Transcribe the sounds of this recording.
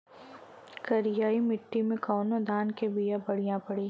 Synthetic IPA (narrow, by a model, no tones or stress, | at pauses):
kɐɾɪjaːimɪʈːimẽkɔːnod̪ʱaːnkebijãbɐɽ̤ijãpɐɽeː